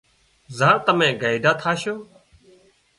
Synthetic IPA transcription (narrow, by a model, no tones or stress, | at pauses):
zãːt̪əmẽːɡaːɪɖaːt̪ʰaːʃoː